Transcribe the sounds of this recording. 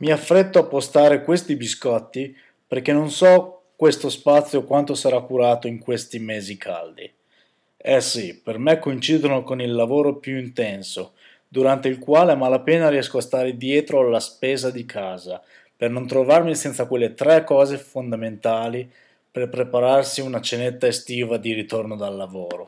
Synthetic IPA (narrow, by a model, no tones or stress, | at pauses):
miafːɾet̪ːoapːost̪aːɾekwest̪ibiskɔt̪ːi | perk̟enːonsɔkwest̪ospat̪sːjokwant̪osaɾakːuɾaːt̪oiŋkwest̪imeːzikʰa̰ld̪ḭ | ɛsipermekːoint͡ʃiːd̪onokonilːavoːɾopjuint̪ɛnso | d̪uɾant̪eilkwaːleamalapeːnaɾiɛskoast̪aːɾed̪jɛːt̪ɾoalaspeːzad̪ikʰaːza | pernont̪ɾovarmisɛnt̪sakwelːet̪ɾɛkːɔːzefond̪ament̪aːli | perpɾepaɾarsiunat͡ʃenet̪ːaest̪iːvad̪iɾit̪ornod̪alːavoːɾo